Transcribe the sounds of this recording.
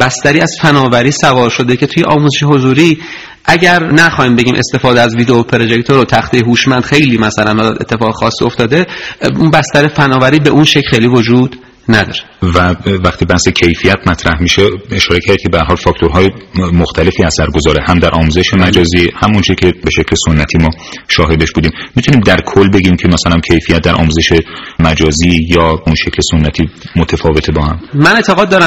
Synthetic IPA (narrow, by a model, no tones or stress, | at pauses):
b̥æst̪æɾiːæz̥fænɒːvæɾiːsævɒːɾʃo̞d̪e̞cʰe̞t̪ʰuje̞ʔɒːmuːzeʃeɦo̞zuːɾiː | ʔæɟæɾnæxɒːhiːmbe̞ɟiːmʔest̪e̞fɒːd̪eæzviːd̪eopʰeɾo̞ʒekt̪ʰoɾot̪ʰæxt̪ejeɦuːʃmænd̪xejliːmæsælænmɒd̪e̞̰t̪ʰːe̞fɒːɣexɒːsːio̞ft̪ɒːd̪e̞unbæst̪æɾefænɒːvæɾiːbe̞ʔunʃecʰxejliːvo̞d͡ʒuːd̪ | næd̪ɒ̰ːɾevævæχt̪ʰiːbæhsecʰe̞jfijæt̪mæt̪ʰɾæhmiʃee̞ʃɒːɾecʰæɾd̪̚kcʰeehæɾɦɒlfɒːkt̪ʰoɾɦɒːjemoxt̪ʰæle̞fiːæsæɾɡo̞zɒːɾehæmd̪æɾʔɒːmuze̞ʃemæd͡ʒɒːziːhæmont͡ʃʰecʰe̞be̞ʃecʰle̞so̞nːæt̪ʰiːmɒːʃɒːɦe̞d̪eʃbuːd̪iːmːit̪ʰuniːmd̪æɾkʰolːbe̞ɡimcʰe̞mæsælæmcʰejfijæt̪̚d̪æɾʔɒ̰ːmuːze̞ʃemæd͡ʒɒːziːjɒːunʃe̞cʰlesonːæt̪ʰiːmot̪ʰæfɒːve̞t̪ʰebɒːhæmmænet̪ʰeɣɒːd̪̚ːɒːɾæ